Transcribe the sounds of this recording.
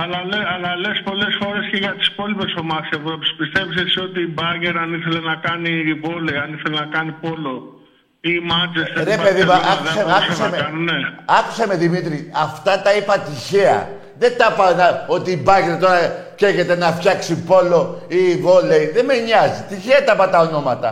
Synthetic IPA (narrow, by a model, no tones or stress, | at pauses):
ɐlɐleɐlɐlespo̞le̞sfo̞ɾe̞sceʝɐt̪i̥spo̞lipesomɐsevuɾopi̥spist̪e̞vis̬esiot̪iːbɐʝeɾɐniθe̞lenɐkɐniːbo̞leiɐniθelenɐkɐnipo̞lo | iːmɐt͡ʃest̪eɾepeðimɐɐkðseɐusemekɐnuneɐku̥sɐme̞ðimit̪ɾiɐft̪ɐt̪ɐipɐt̪içeɐ̰ | ðe̞t̪ɐpɐnɐo̞t̪iːbɐʝe̞ɾt̪o̞ɾɐceʝe̞t̪e̞nɐfçɐksipo̞lo̞ivo̞leiðeme̞ɲɐzit̪içeɐt̪ɐpɐt̪ɐono̞mɐt̪ɐ̰